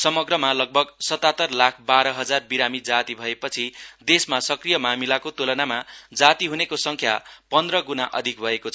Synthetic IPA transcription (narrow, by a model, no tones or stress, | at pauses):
sʌmʌɡrʌmalʌɡ̚bʱʌɡsʌt̪at̪ʌrlakʰbaɾʌɦʌd͡zarbiɾamid͡zat̪ibʱʌepʌt͡sʰid̪esmasʌkrijʌmamilakot̪olʌnamad͡zat̪iɦunekosʌŋkʰjapʌnd̪rʌɡunaʔʌ̰d̪ʱik̚bʱʌekot͡sʰʌ